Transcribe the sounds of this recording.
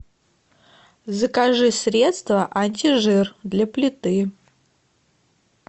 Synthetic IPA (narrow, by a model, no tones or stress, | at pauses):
zəkaʐɨsɾʲet̪st̪vəʔɐnʲtʲiʐɨrd̪lʲɐplʲɪt̪ɨ